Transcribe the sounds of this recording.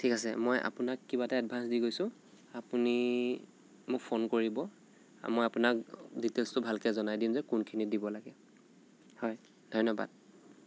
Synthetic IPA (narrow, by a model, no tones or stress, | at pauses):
tʰikasɛmojʔa̰pʊnakːibataad̚bʱansdiɡojsʊ̃ | apuni | mʊk̚pʰonkoɹibɔ | a̰mojapʊnakditelstʊbʱalkɛzɔnajdimzɛkunkʰinidibɔlaɡɛ | hɔj | dʱɔjnɔba̰d̥̚